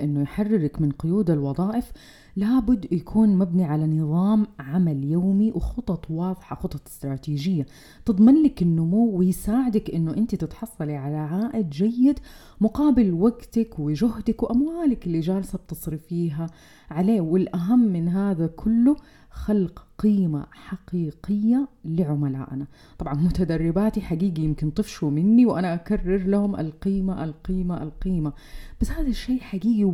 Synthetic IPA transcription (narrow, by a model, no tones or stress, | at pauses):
ʔɪnːʊjħarːɪɾakmɪnqʊjuːd̪alwɑðˤɑːʔɪf | laːbʊd̪ːjakʰuːnmabniʕalanɨðˤɑːmʕamaljaːmiwɪxʊt̪ˤɑt̪ˤwɑːðˤħɑxʊt̪ˤɑt̪ˤɪ̥st̪ɾˤɑːt̪iːʒɪjːa | t̪ɨd̪ˤmɪnlɪkɪnːʊmuwːɪjsaːʕɪd̪akʔɪnːʊʔɪnt̪it̪ɪt̪ħɑsˤːɑliʕalaʕaːʔɪd̪d͡ʒajːɪd̪ | mʊqɑːbɪlwaɡt̪akwɪʒʊhd̪akwʔamwaːlɪkɪlːid͡ʒaːlsab̚t̪ɨsˤɾifiːɦa | ʕaleːwɪlʔaɦamːɪnɦaːðakʰʊlːʊ | xalqqiːma̰ħaqiːqɪjːalɪʕʊmala̰ːʔna | t̪ˤɑbʕɑnmʊt̪ad̪ɑrˤːɪbaːt̪iħaɡiːɡijɪmkɪnt̪ˤɨfʃumɪnːiwʔanaʔakarːɪɾlahʊmʔa̰lqiːmaʔalqiːmaʔalqiːma | b̥asːhaːðaʃːeːʔħaɡiːɡi